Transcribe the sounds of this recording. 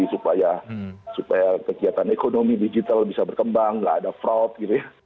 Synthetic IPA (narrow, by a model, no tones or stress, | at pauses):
isupajasupajakəɡiat̪anekonomidid͡ʒit̪albisabərkəmbaŋlaa̰dafɾawt̪̚ɡit̪uja